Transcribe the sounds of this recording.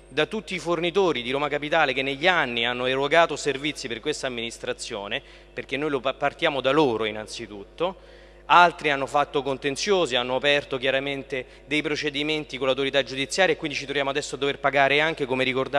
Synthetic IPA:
d̪at̪ːut̪ːiːfornit̪oːɾid̪iɾoːmakapit̪aːlek̟enːeʎːianːianːoeroɡaːt̪oservit̪sːiperkwest̪aːmːinist̪ɾat̪sːjoːne | perk̟enːojlopart̪jaːmod̪aloːɾoinant̪sit̪ut̪ːo | alt̪ɾianːofat̪ːokont̪ent̪sjoːzianːoapɛrt̪okjaɾament̪e | d̪ejpɾot͡ʃed̪iment̪ikonlːawt̪oɾit̪ad͡ʒːud̪it̪sːjaːɾjaekːwind̪it͡ʃit̪ɾovjaːmoad̪ɛsːoad̪ːoverpaɡaːɾeaŋk̟ekomeɾikord̪

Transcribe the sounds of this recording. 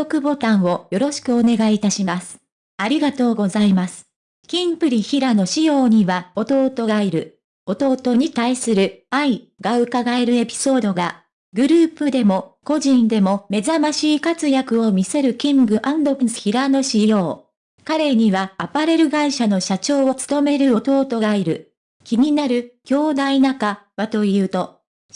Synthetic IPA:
okɯ̟bo̞t̪ãɰ̃o̞jo̞ɾo̞ɕi̥kɯ̟o̞ne̞ɡait̪aɕimasɨ̥ | aɾʲiɡat̪o̞ːɡo̞zaimasɨ̥ | kʲĩmpɯ̟ɾʲiçiɾano̞ɕijo̞ːɲ̟iβao̞t̪o̞ːt̪o̞ɡaiɾɯ̟ | o̞t̪o̞ːt̪o̞ɲ̟it̪aisɨɾɯ̟ai | ɡaɯ̟kaɡae̞ɾɯ̟e̞pʲi̥so̞ːd̪o̞ɡa | ɡɯ̟ɾɯ̟ːpɯ̟d̪e̞mo̞ko̞ʑĩnd̪e̞mo̞me̞zamaɕiːkat͡sɨjakɯ̟o̞mʲise̞ɾɯ̟kʲĩŋɡɯ̟ʔãnd̪o̞kɯsɨ̥çiɾano̞ɕijo̞ː | kaɾe̞ɲ̟iβaːpaɾe̞ɾɯ̟ɡaiɕano̞ɕat͡ɕo̞ːot͡sɨ̥t̪o̞me̞ɾɯ̟o̞t̪o̞ːt̪o̞ɡaiɾɯ̟̰ | kʲiɲ̟inaɾɯ̟kʲo̞ːd̪ainakaβat̪o̞jɯ̟ːt̪o̞

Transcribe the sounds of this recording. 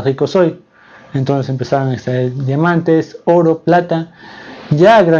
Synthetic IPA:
xikosoj | ent̪onsesempesaɾaŋekst̪ɾaeɾd̪jamant̪esoɾoplat̪a | jaɡɾa

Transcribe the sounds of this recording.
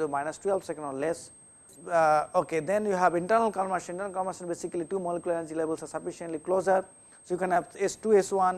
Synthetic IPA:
omaɪnəstuɛlfsɛkə̃nɔlɛs | oked̪ɛ̃njuɦæʋɪ̃ɳʈəɾnəlkɔlmaʃnɪ̃ɳʈənəlkɔlmaʃə̃nbesikəliʈumɔlɪkjulɛnəɾd͡ʒilebəlsasɐfiʃə̃nʈliklozəɾ | sojukɛ̃nɛvesʈueswãn

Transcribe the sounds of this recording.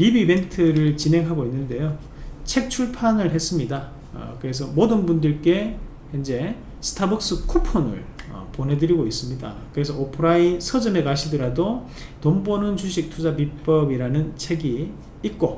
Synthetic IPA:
ɾibibe̞ntʰɯɾɯɭt͡ɕinɦe̞ŋɦaɡoinːɯnde̞jo | t͡ɕʰe̞k̚t͡ɕʰuɭpʰanɯɭɦes͈ɯmɲida̰ | kɯɾe̞s̬ʰʌmodɯnbundɯɭk͈e̞ | ʌnd͡ʑe̞ | sʰɯ̥tʰabʌk̚s͈ɯkʰupʰonɯ̰ɭʌ̰ponɦe̞dɯɾiɡois͈ɯmɲida̰kɯɾe̞s̬ʰʌopʰɯɾainsʰʌd͡ʑɯme̞kaɕʰidɯɾado | tombonɯnt͡ɕʰuɕ̬ʰik̚tʰud͡ʑapip͈ʌbiɾanɯnt͡ɕʰe̞ɡiː | t̚k͈o

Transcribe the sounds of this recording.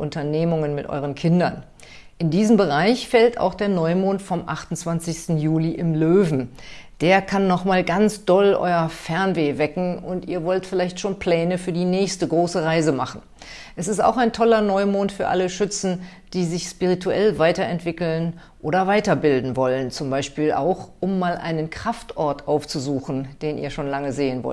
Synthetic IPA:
ʔʊntɐneːmʊŋənmɪtʔɔ̰ʏʁ̞ənkʰɪndɐn | ʔɪndiːzəmbəʁaɪçfɛlta̰ʊxd̥eːɐnɔʏmoːntfɔmʔa̰χtʊn̩t͡sv̥ant͡sɪçstn̩juːliʔɪmløːvn̩d̥eːɐkʰanːɔχmaːlɡant͡sd̥ɔlʔɔ̰ʏɐfɛɐnveːvɛkŋ̩ʊntʔiːɐvɔltfɪlaɪçtʃoːnpʰl̥ɛːnəfyːɐdiːnɛːçstəɡʁoːsəʁaɪzəma̰χn̩ | ʔɛsɪsta̰ʊxaɪntʰɔlɐnɔʏmoːntfyːɐʔa̰ləʃʏt͡sn̩ | d̥iːzɪçʃpiʁitʰuɛlvaɪtɐɛntv̥ɪkl̩n | ʔoːɾdɐvaɪtɐbɪldn̩vɔlənt͡sʊmbaɪʃpiːlʔa̰ʊxʔʊmːaːlʔa̰ɪnənkʁ̥aftʔɔɐtʔaʊft͡suzuːxn̩d̥eːnʔḭːɐʃoːnlaŋəzeːənvɔ̰t

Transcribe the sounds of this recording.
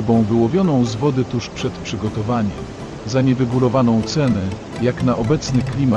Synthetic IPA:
bɔ̃w̃vɘwɔvʲjɔnɔ̃w̃zvɔd̪ɘt̪uʂpʂɛt̪pʂɘɡɔt̪ɔvaɲɛm | zaɲɛɾɛɡulɔvanɔ̃w̃t̪sɛnɛ | jaknaʔɔbɛt̪snɘklʲima

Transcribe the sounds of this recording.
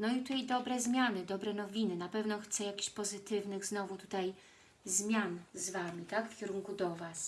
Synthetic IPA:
nɔit̪ut̪ajd̪ɔbɾɛzmʲjanɘd̪ɔbɾɛnɔvʲinɘnapɛvnɔxt̪sɛjakʲi̥ɕpɔzɘt̪ɘvnɘɣznɔvut̪u̥t̪aj | zmʲjanzvamʲit̪akfkʲiɾuŋkud̪ɔvas

